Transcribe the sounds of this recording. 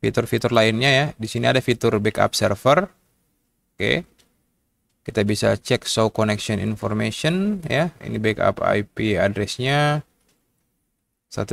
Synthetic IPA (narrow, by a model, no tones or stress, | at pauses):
fit̪ʊrfit̪ʊrlaɪnɲajadisiniadafit̪ʊrbɛka̰p̚sɛrfər | okḛ | kit̪abisat͡ʃɛksowkonɛksiɔnḭnfɔrmesɔnjaḭnibɛka̰pa̰jpiadɾɛsɲa | sa̰t̪